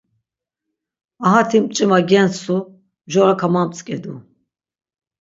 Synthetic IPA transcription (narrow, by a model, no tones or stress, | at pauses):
aɦat̪ʰimt͡ʃʼimaɡɛnsu | mʒɔɾakʰamamt͡sʼkʼɛd̪u